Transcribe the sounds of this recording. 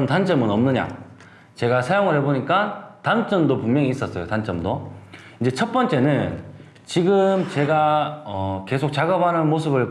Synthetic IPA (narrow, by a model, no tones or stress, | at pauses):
ntant͡ɕ͈ʌmɯnʌmnɯɲa̰ | t͡ɕe̞ɡasʰajoŋɯɭheboɲik͈atant͡ɕ͈ʌmdopummjʌŋiːs͈ʌs͈ʌjotant͡ɕ͈ʌmdo | ind͡ʑe̞t͡ɕʰʌt̚p͈ʌnt͡ɕ͈e̞nɯn | t͡ɕiɡɯmt͡ɕe̞ɡaʌke̞sʰok̚t͡ɕaɡʌb̚anɯnmosʰɯbɯɭ